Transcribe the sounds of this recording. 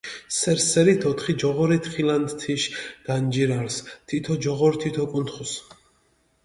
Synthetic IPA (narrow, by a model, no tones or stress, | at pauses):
sɛɾsɛɾit̪ʰɔt̪ʰχid͡ʒɔʁɔɾit̪ʰχilant̪t̪ʰiʃɡ̥and͡ʒiɾaɾst̪ʰit̪ʰɔd͡ʒɔʁɔɾt̪ʰit̪ʰɔkʼunt̪ʰχus